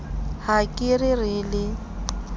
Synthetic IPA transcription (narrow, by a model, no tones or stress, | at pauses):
hakʼɪrɪrɪlɪ